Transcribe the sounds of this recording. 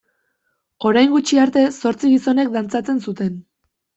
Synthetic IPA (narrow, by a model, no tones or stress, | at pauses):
o̞ɾajŋɡut͡ʃiaɾt̪e̞so̞ɾt͡siɣiso̞ne̞k̚d̪ant͡sat͡se̞nsut̪e̞n